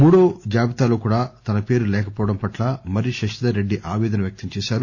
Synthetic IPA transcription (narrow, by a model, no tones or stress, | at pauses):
muːɽo̞ːd͡ʒaːbit̪aːloːkuːɽaːt̪ɐnɐpe̞ːɾulɛːkɐpɔːʋɐɽɐmpɐʈlaːmɐɾiʃɐʂid̪aɾe̞ɖːiʔaːʋɛːd̪ɐnɐʋjɐk̚t̪ɐmt͡ʃɛːʃaːɾu